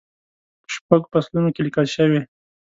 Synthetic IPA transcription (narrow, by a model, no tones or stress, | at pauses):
pʃpaɡopaslunokelikəlʃəwe